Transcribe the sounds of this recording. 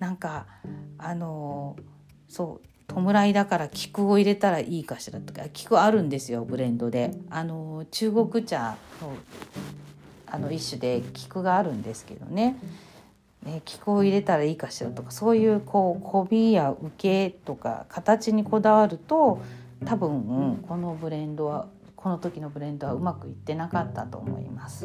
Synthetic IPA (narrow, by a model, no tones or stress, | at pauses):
nãŋkaː | no̞ | so̞ː | t̪ʰo̞mɯ̟ɾaid̪akaɾakʲi̥kɯ̟o̞iɾe̞t̪aɾaʔiːkaɕiɾat̪okakʲi̥kɯ̟aɾɯ̟̃nd̪e̞sɨjo̞bɯ̟ɾẽ̞nd̪o̞d̪e̞ano̞t͡ɕɨːɡo̞kɯ̟t͡ɕa̰no̞ | ano̞iɕːɨd̪e̞kʲi̥kɯ̟ɡaːɾɯ̟̃nd̪e̞sɨ̥ke̞̰d̪o̞̰ne̞ | ne̞kʲi̥kɯ̟o̞iɾe̞t̪aɾaiːkaɕiɾat̪o̞kḁso̞ːjɯ̟ːkʰo̞ːkʰo̞bʲijaɯ̟ke̞t̪o̞ka̰kʰat̪at͡ɕiɲ̟iko̞d̪aβaɾɯ̟t̪o̞ | t̪abɯ̟̃ɴ̩ko̞no̞bɯ̟ɾẽ̞nd̪o̞βa | kʰo̞no̞t̪o̞kʲino̞bɯ̟ɾẽ̞nd̪o̞βaɯ̟makɯ̟it̪ːe̞nakat̪ːat̪o̞̰ːmo̞̰ḭmasɨ̥